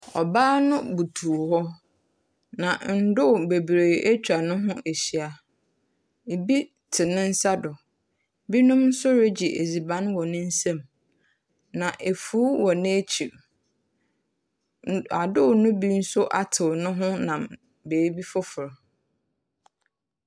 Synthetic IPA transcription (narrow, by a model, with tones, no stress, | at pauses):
ɔ̰˨baː˦nʊ̃˦bu˨tʰu˨hɔ˦ | nã˨n̩˨dʊ˦˨be˨bɾeː˨ʔe˦t͡ɕᶣa˨nʊ̃˦ɦʊ̃˦ʔe˨ɕi˨˦a˨ | e˨bi˦ | tʰɪ˨nɪ̃˦n̩˦sa˦dʊ˨ | bi˦nʊ̃˦mn̩˦sʊ˦ɾe˦d͡ʑi˨ʔḛ˨d͡zi˨bã˦nwɔ˨nʊ̃˦n̩˦sã˦m | nã˨ʔe˨fuː˦wɔ˨nɪ̃˦e˦t͡ɕʰi˨ɾ | a˨dʊ˦˨nʊ̃˦bi˦n̩˦sʊ˦ʔa̰˨tʰɪ˨wnʊ̃˦ɦʊ̃˦nã˨m | beː˨˦bi˦fʊ˦fʊ˨ɾ